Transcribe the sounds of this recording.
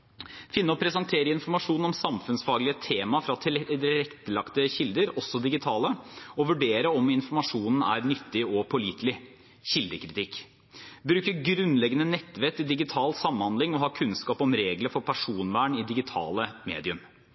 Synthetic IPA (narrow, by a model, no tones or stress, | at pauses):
fɪnːəɔpʰɾɛsɑnt̪ʰeːɾəɪnfɔɾmɑʂuːnɔmsɑmfʉnsfɑːɡlɪət̪ʰeːmɑfɾɑt̪ʰɪlɾɛkt̪əlɑkt̪əɕɪld̪əɾɔsːɔd̪ɪɡɪt̪ʰɑːləɔʋʉɖeːɾəɔmɪnfɔɾmɑʂuːnn̩æ̰ɾnʏt̪ːɪɔpʰʊliːt̪lɪ | ɕɪld̪əkʰɾɪt̪ɪkː | bɾʉːkəɡɾʉnːlɛɡːənənɛt̪ːʋɛk̚t̪ɪld̪ɪɡɪt̪ʰɑːlsɑmːnhɑnd̪lɪŋɔɦɑːkʰʉnskɑːpɔmɾeːɡləɾfɔɾpʰæʂuːnʋæːɳɪd̪ɪɡɪt̪ʰɑ̰ːləmḛːd̪ɪʉm